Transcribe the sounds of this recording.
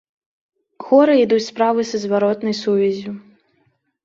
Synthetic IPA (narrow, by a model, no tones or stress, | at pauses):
ɣɔɾɨid̪ut͡sʲspɾavɨsɐzvaɾɔt̪nɐjsuvʲɛzʲu